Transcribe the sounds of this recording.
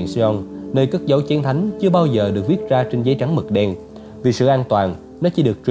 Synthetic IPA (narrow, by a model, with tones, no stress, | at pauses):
nsɔ˧nnəː˧jkaː˦˥t̚zə˨˦wt͡ɕi˨˦ənt̪ʰa˨˦jŋ̟t͡ɕɨ˧əɓaː˧wzəː˨˩ɗɨ˨˩ək̚vi˦˥ət̚zaː˧t͡ɕe˧nzəː˨˦jt͡ɕa˨˦ŋmɨ˨˩k̚ɗɛ˧n | vi˨˩sɨ̰˧˨ʔaː˧nt̪waː˨˩n | nɔ˨˦t͡ɕi˧˦ɗɨ˨˩ək̚t͡ɕ